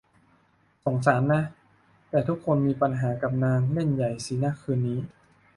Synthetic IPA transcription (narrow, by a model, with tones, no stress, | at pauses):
so˩˦ŋsaː˩˦nːa˦˥ | t̪ɛː˨˩t̪ʰu˦˥kʰːo˧nmiː˧pa˧nɦaː˩˦ka˨˩p̚naː˧ŋle˥˩nja˨˩jsiː˩˦na˦˥kʰːɯː˧nːiː˦˥